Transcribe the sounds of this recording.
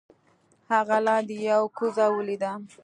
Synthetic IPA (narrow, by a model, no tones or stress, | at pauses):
haɣalɑd̪ejawkuzawəlid̪a